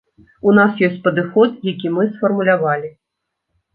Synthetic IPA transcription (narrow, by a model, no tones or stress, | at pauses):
unasjɔsʲt͡sʲpɐd̪ɨxɔt̪jakʲimɨsfɐrmulʲavalʲi